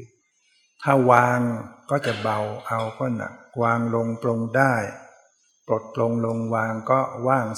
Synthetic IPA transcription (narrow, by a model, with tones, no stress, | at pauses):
t̪ʰaː˥˩waː˧ŋkɔː˥˩t͡ɕa˨˩ba˧˩wʔa˧wkɔː˥˩na̰˨˩k̚waː˧ŋlo˧ŋplo˧ŋdaː˥˩j | pɾo˨˩t̪̚plo˧ŋlo˧ŋwaː˧ŋkɔː˥˩waː˥˩ŋ